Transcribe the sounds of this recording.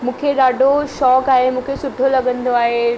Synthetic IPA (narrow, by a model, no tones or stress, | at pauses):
mũːkʰeɗaːɖʱoʃɔːkaːɦemũːkʰesʊʈʰolɐɡə̃nd̪oaːɦe